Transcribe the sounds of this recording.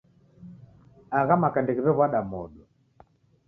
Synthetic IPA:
aɣamakandɛɣiβɛβwaɗamɔɗɔ

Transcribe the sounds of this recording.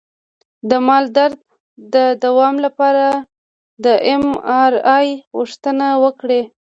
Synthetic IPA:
d̪əmɑld̪aɾd̪̚ | d̪əd̪awɑmlapɑɾa | d̪əʔemɑɾɑjɣʊʂt̪ənawəkɽe

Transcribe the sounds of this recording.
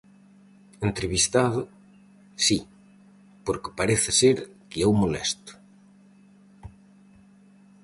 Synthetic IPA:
ent̪ɾeβist̪aðʊ | si | poɾke̥paɾeθɪseɾkeɛwmolɛ̰st̪ʊ̥

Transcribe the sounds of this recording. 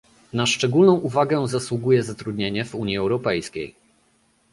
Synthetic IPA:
naʂt͡ʂɛɡulnɔ̃w̃ʔuvaɡɛzaswuɡujɛzat̪ɾud̪ɲeɲɛvuɲjiɛwɾɔpɛjskʲḛj

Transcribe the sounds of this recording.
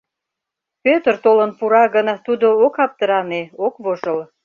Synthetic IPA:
pʲøt̪ərt̪olənpuɾɑɣənt̪ud̪ookɑp̚t̪əɾɑneokβoʒəl

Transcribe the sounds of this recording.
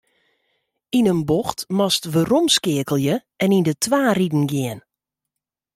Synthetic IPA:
inənboxtmɔstʋəromskɪəkəlˠjəʔɛnindətʋaːridn̩ɡɪən

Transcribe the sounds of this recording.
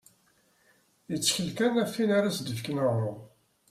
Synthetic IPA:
jət͡sːçəlkænæfːinaɾasd̪əfknəʁon

